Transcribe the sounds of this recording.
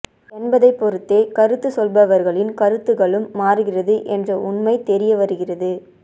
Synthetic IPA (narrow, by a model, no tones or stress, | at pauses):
ɛnbɐðɐɪpːɔɾɯt̪ːeːkɐɾɯt̪ːɯsɔlbɐʋɐɾɣɐɭɪnkɐɾɯt̪ːɯɣɐɭɯmːaːɾɯɣɪrɐðɯʔɛndrɐʊɳmɐɪt̪ɛɾɪjɐʋɐɾɯɣɪrɐðɯ